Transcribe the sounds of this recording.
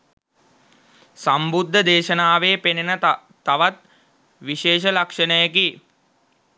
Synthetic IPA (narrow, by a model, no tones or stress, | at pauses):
sambud̪ʱːəd̪eːʃənaːʋeːpenenə | aʋat̪̚ | ʋiʃeːʃ̬əlakʂənəjəki